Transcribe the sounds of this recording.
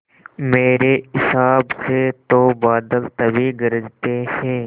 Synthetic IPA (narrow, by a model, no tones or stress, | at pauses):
meːɾeɪsaːbset̪obaːd̪əlt̪ɐbʱiɡɐɾəd͡ʒt̪ehɛ̃ː